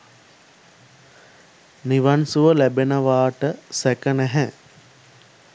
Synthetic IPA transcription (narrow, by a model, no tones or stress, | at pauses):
niʋansuʋəlæbenəʋaːʈəsækənæɦɛ